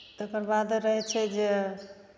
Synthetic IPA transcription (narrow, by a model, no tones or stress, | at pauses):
t̪əkəɾbad̪ɾəɦɛt͡ʃʰɛd͡ʒe